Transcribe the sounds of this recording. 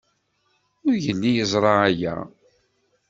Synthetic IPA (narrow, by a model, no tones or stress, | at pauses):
ʊɾʝənːijəzˤɾˤɑæjæ̰